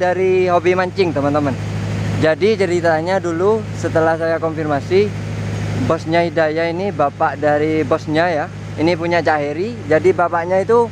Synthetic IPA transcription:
daɾiɦobimaɲt͡ʃɪŋt̪əmənt̪əmənd͡ʒadit͡ʃəɾit̪aɲadulusət̪əlahsajakɔmfirmasi | bɔsɲahidajainibapaʔdaɾibɔsɲaja | inipuɲat͡ʃaɦiɾid͡ʒadibapaʔɲait̪u

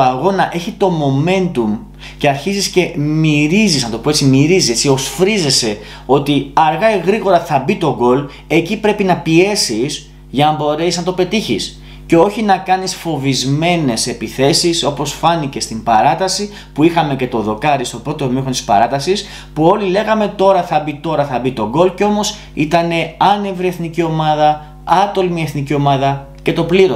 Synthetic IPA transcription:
ɐɣo̞nɐʔe̞çit̪o̞mo̞me̞nt̪um | ce̞ɐɾçizisce̞miɾizisnɐt̪o̞poet͡simiɾiziet͡sio̞sfɾize̞se̞ | o̞t̪iɐɾɣɐeɣɾiɣo̞ɾɐθɐbit̪o̞ɡo̞l | e̞cipɾe̞pinɐpie̞sis | ʝɐnɐbo̞ɾe̞siznɐt̪o̞pe̞t̪içis | ce̞o̞çinɐkɐnisfo̞vizme̞ne̞se̞piθe̞siso̞po̞sfɐnice̞st̪imbɐɾɐt̪ɐsi | puixɐme̞ce̞t̪o̞ðo̞kɐɾist̪o̞pɾo̞t̪omixont̪i̥spɐ̰ɾɐt̪ɐsis | puo̞lile̞ɣɐme̞t̪o̞ɾɐθɐbit̪o̞ɾɐθɐbit̪o̞ɡo̞lceo̞mo̞s | it̪ɐne̞ɐne̞vɾie̞θnicio̞mɐðɐ | ɐt̪o̞lmie̞θnicio̞mɐðɐ | ce̞t̪o̞pliɾo

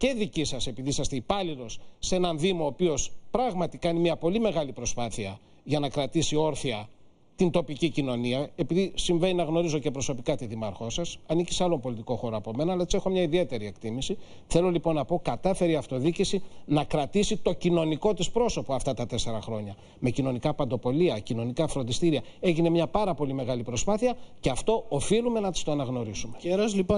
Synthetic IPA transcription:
ce̞ðicisɐse̞piðisɐst̪eipɐlilo̞sːe̞nɐnðimo̞ːpio̞spɾɐɣmɐt̪ikɐnimiɐpo̞lime̞ɣɐlipɾo̞spɐθiɐ | ʝɐnɐkɾɐt̪isio̞ɾθiɐ | t̪int̪o̞picicino̞niɐe̞piðisiɱve̞ninɐɣno̞ɾizo̞ce̞pɾo̞so̞pikɐt̪iðimɐɾxo̞sɐsɐnici̥sɐlo̞mpo̞lit̪iko̞xo̞ɾoɐpo̞me̞nɐːlɐet͡ssie̞xo̞mɲɐiðie̞t̪e̞ɾie̞kt̪imisi | θelo̞lipo̞nːɐpo̞kɐt̪ɐfe̞ɾiɐft̪o̞ðicisinɐkɾɐt̪isit̪o̞cino̞niko̞t̪ispɾo̞so̞poɐft̪ɐt̪ɐt̪e̞se̞ɾɐxɾo̞ɲɐ | me̞cino̞nikɐpɐnd̪o̞po̞liɐcino̞nikɐfɾo̞nd̪ist̪iɾiɐe̞ʝine̞mɲɐpɐɾɐpo̞lime̞ɣɐlipɾo̞spɐθiɐceɐft̪o̞ofilume̞nɐt̪i̥st̪o̞ɐnɐɣno̞ɾisumeeɾɐzlipo

